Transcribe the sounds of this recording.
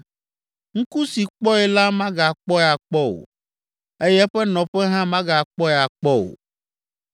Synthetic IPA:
ŋ̩˦ku˦si˨k͡pɔ˦ɛ˨la˦mã˦ɡa˨k͡pɔ˦ɛ˨a˨k͡pɔ˦o̰˨ | e˦jɛ˦ɸɛ˦nɔ̃˨ɸɛ˦ɦã˦mã˦ɡa˨k͡pɔ˦ɛ˨a˨k͡pɔ˦o̰˨

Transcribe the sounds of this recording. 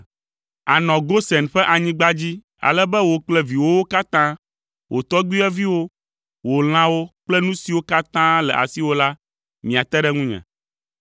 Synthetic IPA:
a˨nɔ̃˨ɡo˦sɛ˨nɸɛ˦ʔa˨ɲĩ˦ɡ͡ba˦d͡ʑi˦ | a̰˨lɛ˦bɛ˦wo˨k͡plɛ˦vi˨wo˦wo˦ka˦t̪ã˦ | wʔo˨t̪ɔ˦ɡ͡bi˦ɛ˦vi˦wo˦ | wo˨l̃ã˦wo˦k͡plɛ˦nũ˦si˨wo˦ka˦t̪ã˦lɛ˨ʔa̰˨si˦wo˦la˦ | mĩ˨a˨t̪ɛ˦ɖɛ˦ŋũ˦ɲɛ̰̃˨

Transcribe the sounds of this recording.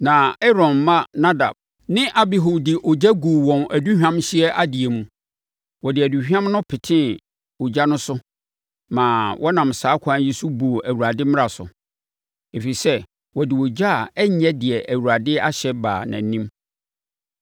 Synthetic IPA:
nã˨ɛ˦ɾɔ̃˨nːã˦nã˦da̰˨b̚ | nɪ̃˦ʔa˨bi˨ɦo˨dɪ˨ʔɔ˨d͡ʑæ˦ɡu˨wɔ̃˨mʔæ˨du˦hᶣã˦mɕɪ˦ɛ˦ʔa˦dɪ˨e˨mũ˨ | wɔ˨dɪ˨æ˨du˨hᶣã˦mnʊ̃˦pʰɪ˨tʰɪ̃˦ | ɔ˨d͡ʑa˦nʊ̃˦sʊ˦ | mãː˨wʔɔ˦nã˨msaː˨˦kʷʰãː˦ji˦su˦bo˨ʔæ˨wu˨ɾa˨dɪ˦mɪ̃˦ɾa˨sʊ̰˨ | e˨fi˨sɛ˦ | wɔ˨dɪ˨wɔ˨d͡ʑa˦˨ɛ˦ɲ˦ɲɛ˦dɪ˨ɛ˨ʔæ˨wu˨ɾa˨dɪ˦a˦ɕɛ˦ba̰ː˨nã̰˨nĩ˦m

